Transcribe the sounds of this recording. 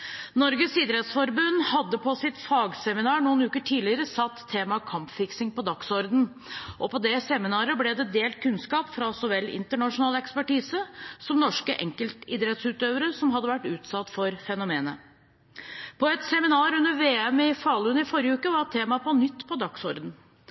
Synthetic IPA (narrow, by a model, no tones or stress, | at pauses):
nɔɾɡəsid̪əɾɛt̪sfɔɾbʉnːhɑd̪ːəpʰɔsɪt̪fɑːɡsɛmɪnɑːɳuːnʉːkəʈʰiːlɪəɾəsɑt̪ʰːeːmɑkʰɑmpfɪksɪŋpɔd̪ɑksɔɾd̪n̩ | ʔɔpɔd̪ɛsɛmɪnɑːɾəblɛd̪ɛd̪eːlt̪̚kʰʉnskɑːpfɾɑsɔʋɛlːɪ̰nt̪əɳɑʂʊnɑːlɛkspæʈiːsəsɔmnɔʂkəʔɛ̰ŋkəlt̪ɪd̪ɾɛt̪sʉːt̪øːʋəɾəsɔmɦɑd̪ːəʋæʈːʉːt̪sɑt̪ːfɔɾfɛnʊmeːnə̰ | pʰɔɛt̪sɛmɪnɑːɾʉnːəɾʋeːɛmɪfɑːlʉnɪfɔɾjəʉːkəʋɑɾt̪ʰːeːmɑpɔnʏt̪ːpʰɔd̪ɑksɔɾd̪n̩